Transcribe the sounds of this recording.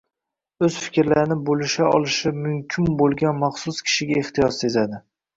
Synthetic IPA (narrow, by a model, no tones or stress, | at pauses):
ɵz̥fɪ̥kʲɾlaɾɪnɪbolɪʃaɒ̰lˠɪʃɪmʊmkʲʰɪnbolˠɡʲanmɑχsʊskʲʰɪ̥ʃɪɡʲaeht̪ʰɪjɒsse̞zad̪ɪ